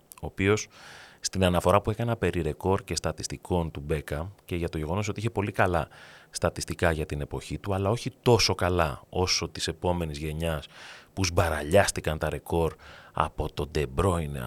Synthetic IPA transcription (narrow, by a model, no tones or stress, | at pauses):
o̞ːpio̞sst̪inɐnɐfo̞ɾɐpue̞kɐnɐpe̞ɾiɾe̞ko̞ɾce̞st̪ɐt̪ist̪iko̞nt̪ube̞kɐmce̞ʝɐt̪o̞ʝe̞ɣo̞noso̞t̪iiçepo̞likɐlɐst̪ɐt̪ist̪ikɐʝɐt̪ine̞po̞çit̪uɐlɐo̞çit̪o̞so̞kɐlɐo̞so̞t̪i̥se̞po̞me̞nizʝe̞ɲɐspuzbɐɾɐʎɐst̪ikɐnt̪ɐɾe̞ko̞ɾɐ̰po̞t̪o̞d̪e̞bɾo̞in̰